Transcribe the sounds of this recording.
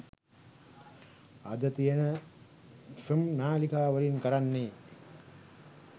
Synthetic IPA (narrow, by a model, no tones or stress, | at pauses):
ad̪ət̪ijənə | sumnaːlikaːʋəliŋkəɾanːeː